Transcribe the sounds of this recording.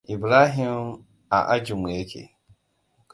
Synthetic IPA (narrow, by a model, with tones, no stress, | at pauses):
i˨bɾa˦ɦi˦m | a̰˨ʔa˦d͡ʒu˨m˨e˨˦kʰḛ˨